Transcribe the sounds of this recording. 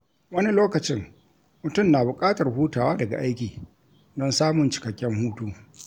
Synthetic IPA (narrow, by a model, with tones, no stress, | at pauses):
wɐ˦ni˦loː˦kɐ˨t͡ʃɪ˦ŋ | mʊ˨tʊ˦˨mnaː˨bʊ˨kʼaː˦tɐ˨rɦuː˦taː˨waː˦dɐ˨ɡa̰˨ʔa˦jkʲiː˨ | dɔ˦nsaː˦mʊ˨nt͡ʃɪ̥˨kɐ˨kʲːɛ˦ŋhuː˦tuː˦